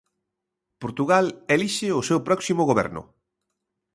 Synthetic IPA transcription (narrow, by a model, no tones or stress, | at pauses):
poɾt̪uɣaleliʃɪʊsewpɾɔksimʊɣoβɛ̰ɾnʊ̰